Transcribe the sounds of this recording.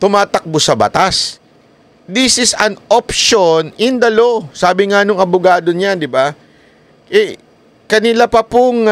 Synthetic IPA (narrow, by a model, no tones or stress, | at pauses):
t̪ʊmaːt̪ɐk̚bosɐbɐ̰t̪as | d̪ɪsɪsɐnopʃonɪnd̪ɐlosaːbɪŋanʊŋɐbʊɡaːd̪o̞ɲad̪ɪba | ʔɛ | kɐnɪlapɐpoŋ